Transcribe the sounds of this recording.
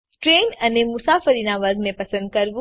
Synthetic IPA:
ʈɾeːnɐnemʊsaːfəɾinaʋɐɾɡmẽpɐsə̃nd̪̚kɐɾʋu

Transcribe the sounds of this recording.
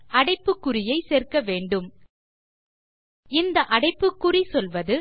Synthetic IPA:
ɐɽɐɪpːɯkːʊrɪjɐɪseːrkɐʋeːɳɖɯm | ɪnd̪ɐʔɐɽɐɪpːɯkːʊrisɔlʋɐðɯ

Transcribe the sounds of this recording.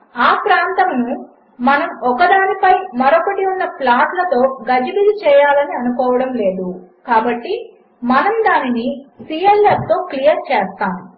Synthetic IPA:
aːpɾaːnt̪ɐmnu | mɐnɐmɔkɐd̪aːnipɐjmɐɾɔkɐʈiunːɐplaːʈlɐt̪o̞ːɡɐd͡ʒɐbid̪it͡ʃɛːjaːlɐniɐnukɔːʋɐɽɐmle̞ːd̪ukaːbɐʈːi | mɐnɐmd̪aːninisiːelep̚t̪o̞ːklijɐɾt͡ʃɛːst̪aːm

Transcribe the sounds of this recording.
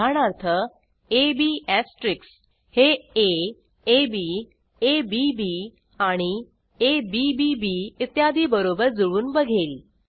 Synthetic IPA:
aɽ̃aɾt̪ʰə | ebiæsʈɾiks | hee | ebi | ebibi | aɽ̃i | ebibibiːit̪jad̪ʱiːbəɾobəɾd͡zuɭuːnbəɡʱel

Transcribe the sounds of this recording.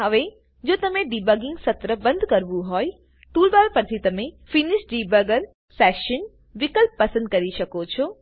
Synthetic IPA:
ɦəʋe | d͡ʒot̪əmẽɖibəɡɪ̃ŋɡsət̪ɾəbə̃nd̪ʱkəɾʋũɦɔj | t̪ulbalpət͡ʃʰit̪əmefiniʃɖibəɡəɾ | sɛʃən | ʋɪkəlpːəsənd̪̚kəɾiʃəkot͡ʃʰo

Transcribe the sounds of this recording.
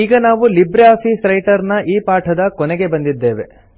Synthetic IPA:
iːɡɐnaːʋulibɾaːpʰisɾɐjʈɐɾnɐʔiːpaːʈʰɐd̪ɐkɔnɛɡe̞bɐnd̪id̪ːe̞ːʋe̞̰

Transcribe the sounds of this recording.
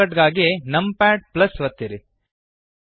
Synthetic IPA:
ɐʈɡaːɡenɐmpæːʈ̚plɐsʋɐt̪ːiɾi

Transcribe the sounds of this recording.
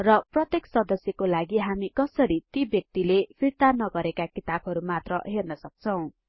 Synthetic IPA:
rʌprʌt̪eksʌd̪ʌsjʌkolaɡiɦamikʌsʌɾit̪ibjʌk̚t̪ilepʰirt̪anʌɡʌɾekakit̪abʱʌɾumat̪rʌɦernʌsʌk̚t͡sʰʌw̃

